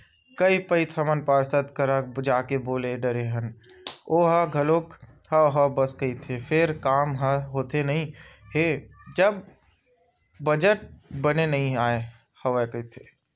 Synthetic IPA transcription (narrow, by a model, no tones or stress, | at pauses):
kəipəit̪ʰəmənpaːɾsət̪kəɾad͡ʒaːkeboːleɖəɾeɦən | oːɦaɡʱɐloːk | həɦɐbəskəit̪ʰefʰɪɾkaːmɦəɦoːt̪enɐɦĩ | ɦed͡ʒəb̚ | əd͡ʒəʈ̚bənenɐɦĩaːe | hɐʋəkəit̪ʰe